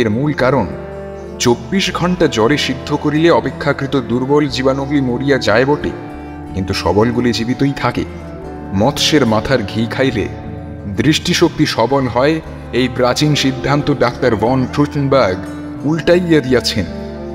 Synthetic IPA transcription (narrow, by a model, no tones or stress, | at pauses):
eɾmulkaɾon | t͡ɕobːiʃɡʱɔɳʈad͡ʑɔɾeʃid̪ʱːokoɾileɔpekʰːakɾit̪od̪uɾbold͡ʑibanoɡlimoɾijad͡ʑaebɔʈḛ | kint̪uʃɔ̰bolɡulid͡ʑibit̪ojt̪ʰakḛ | mɔt̪ʰʃeɾmat̪ʰaɾɡʱikʰajlḛ | d̪ɾiʃʈiʃok̚t̪iʃɔbolɦɔe | ejpɾat͡ɕinʃid̪ʱːant̪oɖak̚t̪aɾvɔnʈɾuʈnbaɾɡ | ulʈajad̪ijat͡ɕʰen